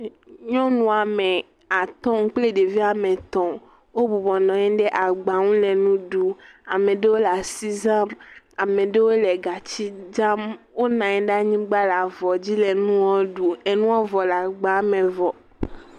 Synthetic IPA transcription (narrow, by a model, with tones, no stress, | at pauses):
ɲɔ̃˦nũ˦a˨mɛ̃˨ | a˨t̪ɔ̃˦ŋ˦k͡ple˦ɖe˨vi˦a˨mẽ˨t̪ɔ̃˨ | wo˦bu˨bɔ˨nɔ̃˨ɲɛ̃˦ɖe˦ʔa˨ɡ͡ba˨ŋũ˦lɛ˨nũ˦ɖu˨a˨mẽ˨ɖe˦wo˦la˨si˦za˦m | a˨mẽ˨ɖe˦wo˦lɛ˨ɡa˨t͡ɕi˦d͡ʒa˦mwo˦nã˨ɛ˨ɖa˦ɲĩ˦ɡ͡ba˦la˨vɔ˨d͡ʑi˦le˨nũ˦wɔ˦ɖu˨e˨nũ˦wɔ˦vɔ˨la˨ɡ͡ba˨˦mẽ˨vɔ˨